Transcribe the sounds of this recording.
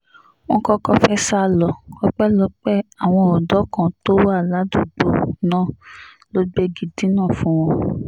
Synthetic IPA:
w̃ɔ̃˦kɔ˦kɔ˧fɛ˦sa˦˧lɔ˨kɔ˦k͡pɛ˦lɔ˦k͡pɛ˦a˨w̃ɔ̃˧ɔ˨dɔ˨˦kã˨to˦wa˦˨la˨˦du˦˨ɡ͡bo˨nãː˦˨ | lo˦ɡ͡be˧ɡi˨di˨˦nãː˦˨fũ˦w̃ɔ̃˦

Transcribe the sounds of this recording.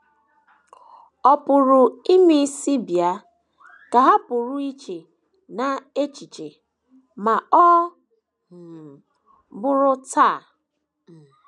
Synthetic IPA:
ɔ˨pʊ˨ɾʊ˨i˦mi˦si˦bi˨a˨ | ka˨ɦa˦pʊ˨ɾʊ˦i˦t͡ʃe˨ | na˨e˦t͡ʃi˨t͡ʃe˨ | ma˨ɔ˦˨ | bʊ˦ɾʊ˦ta˦˨

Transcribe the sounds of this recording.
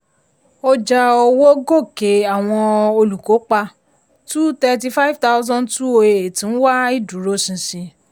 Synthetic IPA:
o˧d͡ʒa˧o˧wo˦ɡo˦˨ke˨˦a˨w̃ɔ̃˧o˧lu˨ko˨˦k͡pa˧ | tu˦tɛ˧ti˧fa˦i˦˨vta˦ʊ˦zɔ̃˦ntu˦o˧e˧˨e˨tĩ˨˦wa˦i˦˨du˨˦ɾo˨˦sĩ˨˧sĩ˧

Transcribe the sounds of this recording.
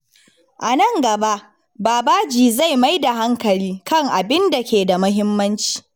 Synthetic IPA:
ʔa˨nɐ˦˨ŋɡɐ˨ba˦ʔ | baː˨baː˦d͡ʒiː˨za˦˨jma˦jda˨ɦa˦ŋkɐ˨liː˦kɐ˦˨ŋʔa˨bɪ˦nda˨kʲeː˨da˨mɐ˦ɦɪ˦mːɐ˦nt͡ʃi̥ː˨

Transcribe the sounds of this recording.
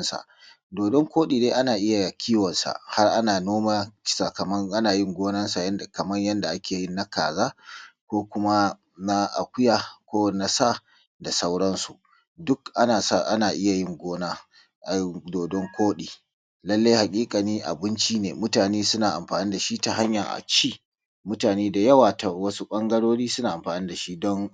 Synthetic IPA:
nsa̰˨ | doː˨dɔ˦ŋkʷoː˦ɗiː˨deː˦ʔa˦naː˨ʔɪ˦ja˨kʲʰiː˦wɔ˨nsa̰˨ʔha˦rʔa˦naː˨noː˦ma˦t͡ʃsa˨kɐ˨mɐ˦ʔa˦naː˨jɪ˦ŋɡʷoː˦nɐ˦nsa˨jɐ˦n˨kɐ˨mɐ˦ɲjɐ˦nda˨ʔa˦kʲeː˨jɪ˦nːa˦ka̰ː˨zaː˦kʷoː˦kʷʊ˦ma˦ | na˦ʔa̰˨kʷʊ˦jaː˦kʷoː˦na˦sa˦˨ | da˨sa˦wɽɐ˦nsṵ˨ | dʊ˦kʔa˦naː˨sa˦˨ʔa˦naː˨ʔɪ˦ja˨jɪ˦ŋɡʷoː˦naː˦ | ʔa˨˦doː˨dɔ˦ŋkʰʷoː˦ɗiː˨ | lɐ˦lːa˦jha˨kʲʼiː˦kʼa˨niː˦ʔa̰˨bɪ˦nt͡ʃiː˦neː˨mʊ˦taː˨neː˦sʊ˦naː˨ʔa̰˨mɸaː˨niː˦da˨ʃi˦ta˨ɦa˦ɲja˨ʔa̰˨t͡ʃiː˦ | mʊ˦taː˨neː˦da˨jɐ˦waː˨ta˨wɐ˦su˦ɓʼɐ˦ŋɡɐ˦ɽoː˦ɽiː˦sʊ˦naː˨ʔa˨ɸaː˨niː˦da˨ʃi˦dɔ˦ŋ

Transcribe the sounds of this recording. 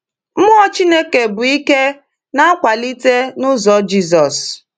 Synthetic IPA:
m̩˦ʊ˦ɔ˦t͡ʃi˦ne˦ke˨bʊ˨i˦ke˦ | na˦kʷa˨li˦te˦nʊ˦zɔ˨˦d͡ʒi˦zɔ˨s

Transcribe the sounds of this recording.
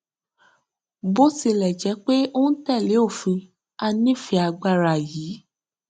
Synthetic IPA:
bo˦si˧lɛ˨d͡ʒɛ˨˦k͡pe˦o˦n̩˦tɛ˦˨le˨˦o˦˨fĩ˧ | a˧nĩ˦˨fi˧a˧ɡ͡ba˧ɾa˨jiː˨˦

